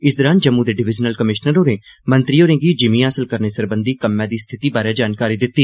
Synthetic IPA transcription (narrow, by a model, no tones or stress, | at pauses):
ɪsd̪əɾaːnd͡ʒəmːũːd̪eːɖɪʋɪd͡ʒnəlkəmɪʃnəɾoːnẽːmə̃nt̪ɾiːoːɾẽŋɡiːd͡ʒɪmĩːaːsəlkəɾneːsəɾbə̃nd̪iːkəmːɛ̃ːd̪iːst̪ʰɪt̪iːbaːɾeːd͡ʒaːnkaːɾiːd̪ɪt̪ːiː